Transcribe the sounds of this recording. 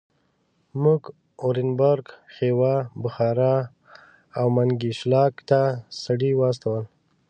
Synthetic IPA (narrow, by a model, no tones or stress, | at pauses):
muɡ | oɾɪnbaɾɡxewabʊxɑɾa | awmaŋɡiʃlɑkt̪asaɽiwɑs̬t̪awəl